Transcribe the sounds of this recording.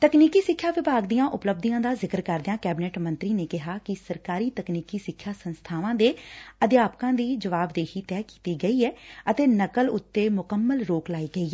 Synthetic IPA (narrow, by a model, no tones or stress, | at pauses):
t̪əkniːkiːsɪkʰːjaːʋɪbʱaːɡd̪ijãːʔʊpləb̚d̪ijãːd̪aːzɪkəɾkəɾd̪ɪãːkɛːbɪnɛːʈmə̃nt̪ɾiːneːkɪɦaːkɪsəɾkaːɾiːt̪əkniːkiːsɪkʰːjaːsənst̪ʰaːʋãːd̪eːəd̪ɪjaːpkãːd̪iːd͡ʒəʋaːbd̪eːɦiːt̪ɛːki̥ːt̪iːɡəiːɛːət̪eːnəkəlʊt̪ːeːmʊkəmːəlɾoːklaːiːɡəiːɛː